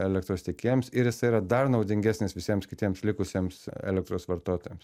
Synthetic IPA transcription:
ɛlʲɛk̚t̪ɾoːst̪ʲɛkʲeːjɛmsɪɾjɪsɐɪiːɾɐd̪ɐrnɒʊd̪ʲɪŋʲɡʲæːsʲnʲɪsʋʲɪsʲiɛmskʲɪt̪ʲiɛmslʲɪkʊsʲeɛmsɛ̰lʲɛk̚t̪ɾoːsʋɐɾt̪oːt̪oːjɛms

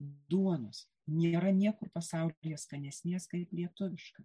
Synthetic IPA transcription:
d̪uɔnʊs | nʲeːɾɐnʲiɛkʊrpɐsɐʊlʲɪjɛskɐnʲɛsʲnʲeːskɐɪplʲiɛt̪ʊʋʲɪʃkɐ

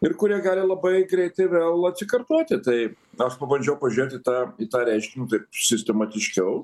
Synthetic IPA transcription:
ɪɾkʊɾʲiɛɡɑːlʲɪlˠɐbɐɪɡɾʲɛɪt̪ɐɪʋʲeːlˠɐt̪ʲsʲɪkɐrt̪oːt̪ʲɪt̪ɐɪɐʃpɐbɐnʲd͡ʒʲɛʊpɐʒʲʊɾʲeːt̪ʲɪːt̪ɑːit̪ɑːɾʲɛɪʃʲkʲɪnʲt̪ɐɪp̚sʲɪsʲt̪ʲɛmɑt̪ʲɪʃʲkʲɛʊ

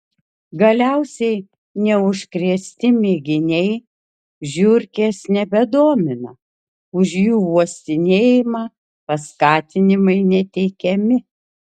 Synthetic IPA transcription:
ɡɐlʲæʊsʲɛɪ | nʲɛʊʃʲkɾʲiɛsʲt̪ʲɪmʲeɡʲɪnʲɛɪ | ʒʲʊɾʲkʲeːsnʲɛbʲɛd̪oɔmʲɪnɐ | ʊʃjuːuɔsʲt̪ʲɪnʲeːjɪmɑː | pɐskɑːt̪ʲɪnʲɪmɐɪnʲɛt̪ʲɛɪkʲɛmʲɪ

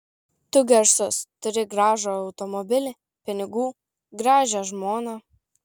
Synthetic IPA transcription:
t̪ʊɡʲɛɾsʊst̪ʊɾʲɪɡɾɑːʒoːɐʊt̪ɔmɔbʲɪlʲɪ | pʲɪnʲɪɡuː | ɡɾɑːʒʲɛʒmoːnɑ

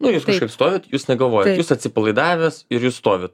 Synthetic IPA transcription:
nʊjuːskɐʃkɐɪpst̪oːʋʲɪt̪juːsnʲɛɡɐlˠʋoːjɛt̪juːsɐt̪ʲsʲɪpɐlˠɐɪd̪ɑːʋʲɛsɪɾjuːsst̪oːʋʲɪt̪

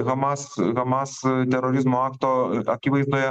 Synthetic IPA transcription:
ɣɐmɑːsɣɐmɑːst̪ʲɛɾoɾʲɪzmoɑːkt̪oːɐkʲiʋɐɪzd̪oːjɛ

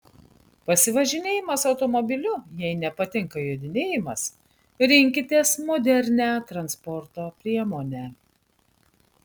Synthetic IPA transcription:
pɐsʲɪʋɐʒʲɪnʲeːjɪmɐsɒʊt̪ɔmɔbʲɪlʲʊjɛɪnʲɛpɐt̪ʲɪŋkɐjod̪ʲɪnʲeːjɪmɐs | ɾʲɪŋʲkʲɪt̪ʲeːsmɔːd̪ʲɛɾʲnʲæːt̪ɾɐnspɔɾt̪oːpʲɾʲiɛmoːnʲæ

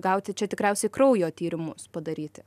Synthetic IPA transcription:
ɡɐˑʊt̪ʲɪt͡ʃʲɛt̪ʲɪkɾʲɛʊsʲɛɪkɾɐʊjoːt̪ʲiːɾʲɪmʊspɐd̪ɐɾʲiːt̪ʲɪ

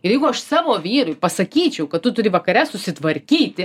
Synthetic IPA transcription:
ɪrjɛɪɡʊɐʃsɑːʋoːʋʲiːɾʊɪpɐsɐkʲiːt͡ʃʲɛʊkɐt̪t̪ːʊt̪ʊɾʲɪʋɐkɐɾʲɛsʊsʲɪt̪ʋɐɾʲkʲiːt̪ʲɪ

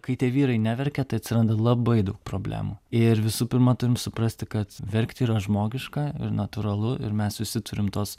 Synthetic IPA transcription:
kɐɪt̪ʲiɛʋʲiːɾɐɪnʲæʋʲɛɾʲkʲɛt̪ɐɪɐt̪ʲsʲɪɾɐnd̪ɐlˠɐbɐɪd̪ɐʊk̚pɾoːbʲlʲæ̰ːmuɪɾʋʲɪsuːpʲɪɾmɐt̪ʊɾʲɪmsʊpɾɐsʲt̪ʲɪkɐt̪ʋʲɛɾʲkt̪ʲiːɾɐʒmoːɡʲɪʃkɑɪ̰ɾnɐt̪ʊɾɐlˠʊʔɪ̰ɾmʲɛssʊʃʲsʲɪt̪ʊɾʲɪmt̪oːs

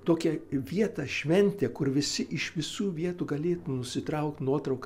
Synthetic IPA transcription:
t̪oːkʲɛʋʲiɛt̪ɑʃʲʋʲɛnʲt̪ʲeːkʊrʋʲɪsʲɪʔɪʃʋʲɪsuːʋʲiɛt̪uːɡɐlʲeːt̪unʊsʲɪt̪ɾɐʊk̚t̪nuɔt̪ɾɐʊk

